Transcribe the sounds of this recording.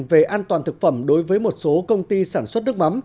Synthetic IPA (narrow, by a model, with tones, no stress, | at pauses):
ve˨˩ʔaː˧nt̪waː˨˩nt̪ɨ˨˩k̚fə˧˩mɗo˨˦jvəː˨˦jmo˨˩t̚so˨˦kə˧wŋ͡mt̪i˧saː˧˩nswt̚nɨ˦˥k̚ma˨˦m